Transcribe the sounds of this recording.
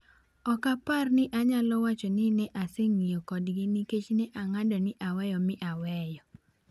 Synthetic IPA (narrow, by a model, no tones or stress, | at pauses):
ɔkaparnɪʔaɲalɔwat͡ʃɔnɪnɛʔasɪŋijokɔdɡɪniket͡ʃnɛʔaŋadɔnɪʔawɛjɔmɪʔawɛjɔ